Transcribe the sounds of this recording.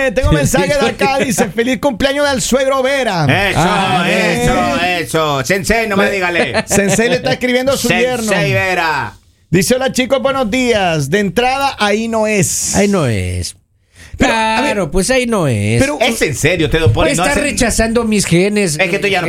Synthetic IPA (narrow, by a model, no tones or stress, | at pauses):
t̪eŋɡomensaxeðakaðisefeliθkumpleaɲoðelsweðɾoβeɾaeoeoesosensejnomeðiɣalesensejlest̪aeskɾiβje̞nd̪oasujeɾnoejβeɾa | d̪iseolat͡ʃikobwenozðiasd̪ent̪ɾaðaʔainoesa̰inoḛs | peɾoaβɾopwesainoḛspeɾoesenseɾjot̪eðopoesnot̪aret͡ʃasand̪omisxenes̬esket̪uʝan